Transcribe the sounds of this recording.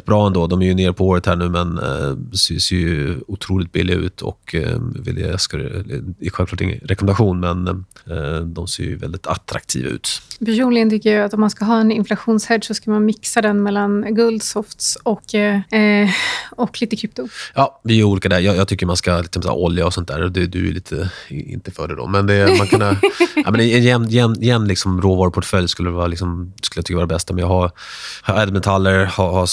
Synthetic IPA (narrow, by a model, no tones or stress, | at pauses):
t̚bɾɑːɛnd̪oːd̪ɔmæɾjɵneːɾpʰɔoːɾət̪hæːɳʉ̟ːmɛnsseːjʊt̪ʰɾuːlɪk̚t̪bɪlːɪɡaʉ̟̰ːt̪ʰɔ̰kvɪ̰lskaɾɛɧɛlvklɑːʈɪ̰ŋːə̰nɾɛkɔmɛnd̪aɧuːnmɛn | d̪ɔmsḛːɾjɵ̰vɛ̰ld̪ɪt̪ʰa̰t̪ɾa̰kt̪ʰḭːva̰ʉ̟ːt̪pæʂuːnlɪɡənt̪ʰʏkːəjaat̪ɔmanskaɦɑːɛnɪnflaɧuːnshɛd̪ːʂɔskamanmɪksad̪ɛnmɛlːanɡɵld̪sɔft̪sɔkː | ɔkːliːt̪əkʰɾɪp̚t̪ʊjɑːvɪæɾuːliːkad̪æjɑːjɑːɡt̪ʰʏkːəɾmanskalɪksɔm̰ʰʔɔljaɔsɔnt̪d̪æ̰ːɾɔd̪ɛd̪ɵ̰æ̰liːt̪ʰəɪ̰nt̪əfœ̰ːɖɛd̪ɔ̰mɛnd̪ɛmankʰɵnːaɛ̰mɛnɪɪjɛnːɪjɛnːɪjɛnːlɪksɔmɾoːvɑːɾʊpʰʊʈfœljskɵlːəɾɛvɑːɾalɪksɔmskɵlːjt̪ʰʏkːəɑːɾdabɛst̪amɛnjɑɡɦa | hɛd̪mɛnt̪ʰalːəɾhaha